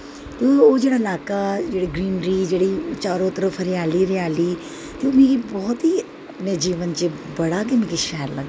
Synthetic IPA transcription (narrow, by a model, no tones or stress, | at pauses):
t̪ood͡ʒeːɽaːɪlaːkad͡ʒeːɽiɡɾiːnɾid͡ʒeːɽit͡ʃaːɾõt̪əɾəfʰɾɪaːliɾɪjaːli | t̪eomeːkibɔːt̪ɦi | nəd͡ʒiːʋənt͡ʃe | bɐɽakemekiʃɛːəɾlɐ̰ɡ